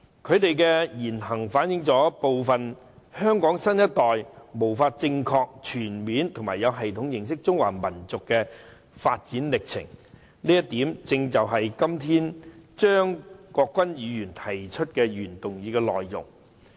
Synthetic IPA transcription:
kʰɵ˨˧ɥt̪e˨jkɛ˧jiː˨˩nɦɐ˨˩ŋfaː˨˥njɪ˨˧˥ŋt͡sɔː˨˥po˨wfɐ˨n | hœː˥ŋkɔː˨˥ŋsɐ˥njɐ˥t̚t̪ɔː˨jmo˨˩wfaː˧t̚t͡sɪ˧ŋkʰɔː˧k̚t͡ʃʰyː˨˩nmiː˨˥nt̪ʰŋma̰ː˨˩jɐ˨˧wɦɐ˨jt̪ʰʊ˨˥ŋjɪ˨˩ŋsɪ˥k̚t͡sʊ˥ŋwa̰ː˨˩mɐ˨˩nt͡sʊ˨kːɛː˧ | fa̰ː˧t̚t͡siː˨˥nlɪ˨k̚t͡sʰɪ̰˨˩ŋ | niː˥jɐ˥t̚t̪iː˨˥mt͡sɪ˧ŋt͡sɐ˨wɦɐ˨jkɐ˥mt̪ʰiː˥nt͡ʃœː˥ŋkɔː˧kːwɐ˥njiː˨˧jyː˨˩nt̪ʰɐ˨˩jt͡ʃʰɵ˥t̚kɛ˧ɥyː˨˩nt̪ʊ˨ŋjiː˨˧kɛː˧lɔ̰ː˨jjʊ̰˨˩ŋ

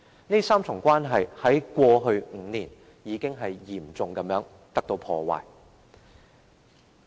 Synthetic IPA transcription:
niː˥saː˥mt͡sʰʊ˨˩ŋkʷwaː˥nɦɐ˨jhɐ˨˥jkʷɔː˧ɦɵ˧ɥŋ̩˨˧niː˨˩n | jiː˨˧kɪ˥ŋɦɐ˨jjiː˨˩mt͡sʊ˨ŋkɐ˨˧˥mjœː˨˥ŋ | t̪ɐ˥k̚t̪o˧wpʰɔː˧wa̰ː˨˩j

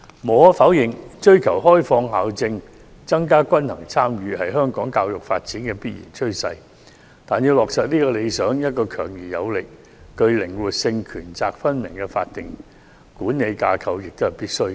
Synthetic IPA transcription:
mɔː˨˥fa˨˥wjɪ˨˩ŋt͡ʃɵ˥ɥkʰɐ˨˩wɦɔː˥jfɔː˧ŋhaː˨˧wt͡sɪ˧ŋ | t͡sɐ˥ŋkaː˥kʷɐ˥nhɐ̰˨˩ŋt͡sʰaː˥mjyː˨˧hɐ˨jɦœː˥ŋkɔː˨˥ŋkaː˧wjʊ˨k̚faː˧t̚t͡siː˨˥nkɛː˧piː˥t̚jḭː˨˩nt͡ʃʰɵ˥ɥsɐ˧j | t̪aː˨njiː˨˧wlɔː˨k̚sɐː˨t̚niː˥kɔː˧le˨˧jsœː˨˥ŋjɐ˥t̚kɔː˧kʰœː˨˩ŋjiː˨˩jɐ̰˨˧wlɪ˨k̚ː | ɵ˧ɥlɪ˨˩ŋwuː˨˩t̚sɪ˧ŋkʰyː˨˩nt͡saː˨k̚fɐ˥nmɪ˨˩ŋkɛ˧fa̰ː˧t̚t̪ɪ˨˩ŋ | kuː˨˥nːe˨˧jkaː˧kʰɐ˧wjɪ˨k̚t̪o˥hɐ˨˩jpiː˥t̚sɵ˥ɥ

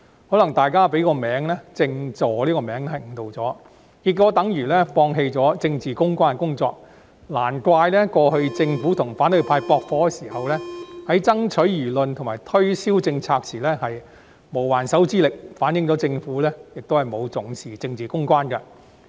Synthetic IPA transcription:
hɔː˨˥lɐ˨˩ŋt̪aː˨jkaː˥pe˨˥jkɔː˧mɛː˨˥ŋlɛ˥t͡sɪ˧ŋt͡sɔː˨˩liː˥kɔː˧mɛː˨˥ŋ˥hɐ˨ŋ̩˨˩t̪o˨˧wt͡sɔː˨˥ | kiː˨˩kːɔː˨˥t̪ɐ˨˥ŋjyː˨˩lɛː˥fɔː˧ŋɦe˧jt͡sɔː˨˥t͡sɪ˧ŋt͡siː˨kʊ˥ŋkʷaː˥n˧kʊ˥ŋt͡sɔ̰ː˧k̚ | laː˨˩nkʷaː˧jlɛ˥kʷɔː˧hɵ˧ɥt͡sɪ˧ŋfuː˨˥t̪ʰʊ˨˩ŋfaː˨˥nt̪ɵ˧ɥpʰaː˧jpɔː˧k̚fɔː˧˥kɛ˧siː˨˩hɐ˨wlɛː˥hɐ˨˥jt͡sɐ˥ŋt͡ʃʰɵ˨˥ɥjyː˨˩lɵ˨nt̪ʰʊ˨˩ŋmaː˨˩jt̪ʰɵ˥ɥsiː˥wt͡sɪ˧ŋt͡sʰaː˧k̚sʰiː˨˩lɛː˥hɐ˨j | mo˨˩waː˨˩nsɐ˨˥wt͡siː˥lɪ˨k̚faː˨˥njɪ˨ŋt͡sɔː˨˥t͡sɪ˧ŋfuː˨˥lɛː˥jɪ˨k̚t̪o˥whɐ˨jmo˨˧wt͡sʊ˨˥ŋsiː˨t͡sɪ˧ŋt͡siː˨˩kʊ˥ŋkʷwaː˥nkɐ˧

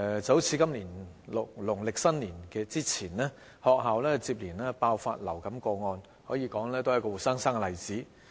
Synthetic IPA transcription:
t͡sɐ˨˥wt͡sʰiː˧kɐ˥mliː˨˩nlʊ˨k̚lʊ˨˩ŋlɪ˨k̚sɐ˥nliː˨˩nkɛː˧t͡siː˥t͡sʰiː˨˩nlɛː˥ | hɔː˨k̚ɦaː˨wlɛː˥t͡siː˧p̚liː˨˩nlɛː˥paː˧wfa̰ː˧t̚lɐ˨˩wkɐ˨˦mkɔː˧ŋɔː˧n | hɔː˨˥jiː˨˧kɔː˨˥ŋlɛː˥t̪o˥wɐ˨˦˥kɔ˧wu˨˩tsaː˥ŋsaː˥ŋkɛ˨˧lɐ˨jt͡siː˨˥

